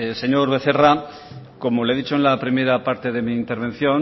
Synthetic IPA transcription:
se̞ɲo̞ɾβe̞θe̞ra | ko̞mo̞lee̞ðit͡ʃoenlapɾime̞ɾapaɾt̪e̞ðe̞miːnt̪e̞ɾβ̞e̞n̟θjon

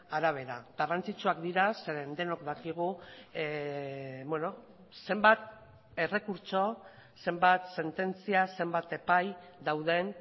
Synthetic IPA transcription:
aɾaβ̞e̞ɾaɣarant͡sit͡ʃuakd̪iɾaseend̪e̞no̞kd̪akiɣ̞u | bweno̞ | se̞mbat̪ | e̞re̞kuɾt͡ʃo̞ | se̞mbat̪se̞nt̪e̞nt͡siase̞mbat̪e̞pajd̪awð̞e̞n

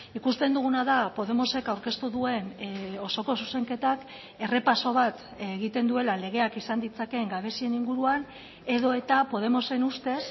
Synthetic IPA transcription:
ikust̪e̞nd̪uɣ̞unaðapo̞ð̞e̞mo̞se̞kawɾke̞st̪uðue̞no̞so̞ko̞suse̞ŋke̞t̪ak | e̞re̞paso̞β̞at̪ | eɣit̪e̞nd̪ue̞lale̞ɣ̞e̞akisand̪it͡sake̞ŋɡaβe̞sie̞niŋɡuɾuan | e̞ðo̞e̞t̪apo̞ð̞e̞mo̞se̞nust̪e̞s

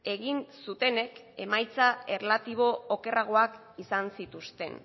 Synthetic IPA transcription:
e̞ɣinsut̪e̞ne̞k | e̞̰majt͡sae̞rlat̪iβ̞o̞ːke̞raɣ̞o̞ak | isansit̪ust̪e̞̰n

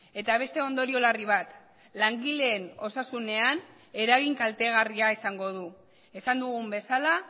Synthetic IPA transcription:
e̞t̪aβ̞e̞st̪e̞o̞nd̪o̞ɾio̞lariβ̞at̪ | laŋɡile̞ːno̞sasune̞an | e̞ɾaɣiŋkalt̪eɣ̞ariaisaŋɡo̞ð̞u | e̞sand̪uɣumbe̞sala

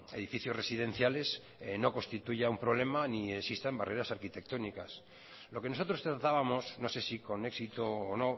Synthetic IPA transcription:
e̞̰ðifiθjo̞sresiðe̞n̟θjale̞s | no̞ko̞nst̪it̪uʝaumpɾo̞β̞le̞maniesist̪ambare̞ɾasaɾkit̪e̞k̚t̪o̞nikas | lo̞keno̞so̞t̪ɾo̞st̪ɾat̪aβamo̞sno̞se̞siko̞ne̞ksit̪oːno̞

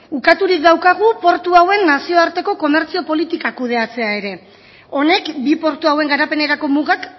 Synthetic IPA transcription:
ukat̪uɾik̚d̪awkaɣ̞upo̞ɾt̪uawe̞nːasio̞aɾt̪e̞ko̞ko̞me̞ɾt͡sio̞po̞lit̪ikakuð̞e̞at͡se̞ae̞ɾe̞ | o̞ne̞kbipo̞ɾt̪uawe̞ŋɡaɾape̞ne̞ɾako̞muɣak

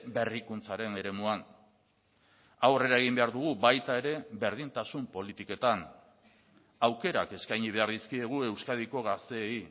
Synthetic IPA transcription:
be̞rikunt͡saɾe̞ne̞ɾe̞muan | awre̞ɾaeɣ̞imbe̞aɾðuɣ̞uβajt̪ae̞ɾe̞βe̞ɾð̞int̪asumpo̞lit̪ike̞t̪an | awke̞ɾa̰ke̞skajɲiβ̞e̞aɾðiskie̞ɣ̞ue̞wskaðiko̞ɣast̪e̞ːi

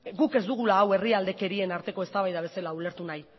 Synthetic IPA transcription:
ɡuke̞zd̪uɣ̞ulaːwe̞riald̪e̞ke̞ɾie̞naɾt̪e̞ko̞e̞st̪aβajðaβe̞selaule̞ɾt̪unaj

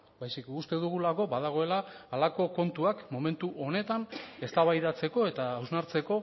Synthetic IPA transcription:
bajsikust̪e̞ðuɣ̞ulako̞baðaɣ̞o̞e̞laːlako̞ko̞nt̪uakmo̞mẽ̞nt̪uʔo̞ne̞t̪ane̞st̪aβajðat͡se̞ko̞e̞t̪aːwznaɾt͡se̞ko̞

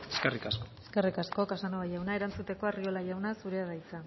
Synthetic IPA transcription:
eskerikaskoe̥skerikasko̞kasanoβajawnae̞ɾant͡sut̪e̞ko̞ario̞laʝawnasuɾe̞aðajt͡sa

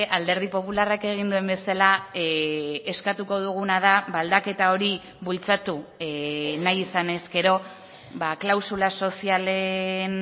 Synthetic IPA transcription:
ʔald̪e̞ɾðipo̞pularake̞ɣ̞ind̪ue̞mbe̞sala | eskat̪uko̞ðuɣ̞unað̞aβald̪ake̞t̪ao̞ɾi | βult͡sat̪u | najisane̞ske̞ɾo̞ | βaklawsulaso̞siale̞n

